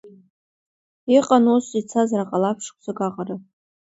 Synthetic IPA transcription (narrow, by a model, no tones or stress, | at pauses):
iqʼanosit͡sʰazaraqʼalapʰʂkʷʰzaɡaqʼarɨpʼ